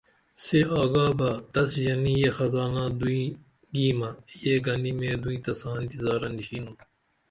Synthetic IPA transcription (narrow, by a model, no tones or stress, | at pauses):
seaːɡaːbɐd̪ɐsjɐnijexɐzaːnãːd̪uĩ | ɡiːmɐjeɡɐnimẽːd̪uĩːt̪ɐsaːnt̪izaːɾɐnd̪iɕinu